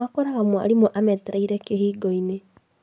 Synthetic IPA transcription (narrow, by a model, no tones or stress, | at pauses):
akɔɾaɣamwa̰ɾimoʔamɛtɛɾaiɾɛkehiːɡɔine